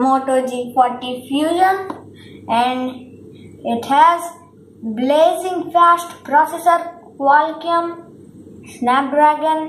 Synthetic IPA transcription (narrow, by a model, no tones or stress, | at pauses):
moːʈod͡ʒifɔɾʈifjuːzən | ɛ̃ɳɖ | ɪʈhɛz | bleːzɪ̃ŋɡfæsʈpɾɔːsesəɾ | kwalkiə̃m | snæp̚ɖɾæːɡə̃n